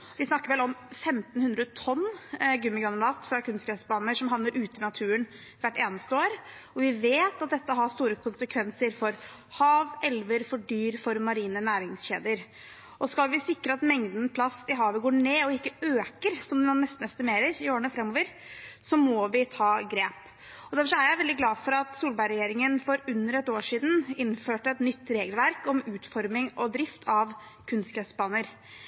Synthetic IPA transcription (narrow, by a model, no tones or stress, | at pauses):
ʋɪsnɑkːəɾʋɛlɔmfɛmt̪nhʉnd̪ɾət̪ʰɔnːɡʉmːɪɡɾɑnlɑːt̪fɾɑkʰʉnst̪kʰɾɛsbɑːnəʂɔmɦɑʋnəɾʔʉːt̪ənɑt̪ʰʉːən | ʋæʈːeːnəst̪əoːɾɔʋɪʋeːt̪ɑt̪̚d̪ɛt̪ːəɦɑst̪uːɾəkʰʊnsəkʰʋɛnsəɾfɔɾ | hɑːʋɛlʋəɾfɔɖyːɾfɔɾmɑɾiːnənæːɾɪŋsçḛːd̪əɾ | ʔɔskɑlʋɪsɪkːɾəɑt̪mɛŋd̪npʰlɑst̪ɪɦɑːʋəɡoːɳeːɔɪkːəøːkəɾsɔmd̪nnnɛst̪nɛst̪ɪmeːɾəɾɪoːɾəɳəfɾɛmːoːʋəɾsɔmɔʋɪt̪ʰɑːɡɾeːp | ɔd̪æɾfɔʂɔæɾjæɪʋɛld̪ɪɡlɑːfɔɾɑt̪suːlbæɪɾɛjeːɾɪŋənfɔɾʉnːəɾɛt̪oːʂiːd̪n̩ɪnːføːʈəɛt̪nʏt̪ːɾeːɡəlʋæɾkɔmʉːt̪fɔɾmɪŋʔɔd̪ɾɪft̪ʰɑʋ | kʰʉnskɛsbɑːnəɾ